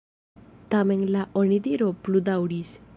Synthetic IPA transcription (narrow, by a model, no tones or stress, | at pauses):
t̪amɛŋlaʔɔñid̪iɾɔplud̪auɽis